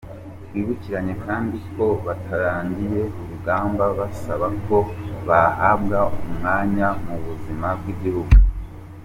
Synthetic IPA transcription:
tɡwiːβuciɾaɲe̞kaːndikʰo̞βatʰaɾaːɲdije̞uuɡaːmbaβasaβako̞βahabɡaumŋaːɲamuβuzimab̚ɡiɟihuɡu

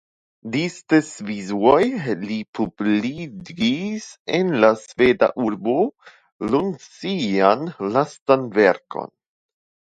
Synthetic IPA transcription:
distesvizuojlipʰubliisenlasveda̰ʔuɾbo | lunsianlastanveɾkʰo̞̰n

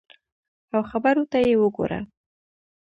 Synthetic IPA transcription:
awxabaɾot̪ajewəɡo̰ɾa̰

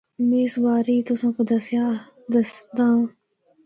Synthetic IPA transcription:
meːsbaːɾiːt̪ʊsãːkod̪ɐsjaː | d̪əsd̪ãː

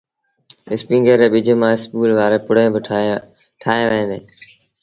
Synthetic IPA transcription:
ɪspĩːŋɡəɾeːɓɪd͡ʒʱemãːɪskuːlʋaːɾeːpʊɽẽːb | ʈʰaːɦẽːʋəẽːnd̪eː

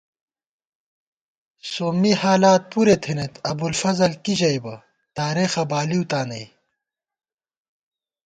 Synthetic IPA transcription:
soːmihaːlaːt̪̚puɾet̪ʰenet̪ɐbulfɐzɐlkiʑɐjbɐ | t̪aːɾeːxɐbaːliut̪aːnɐj

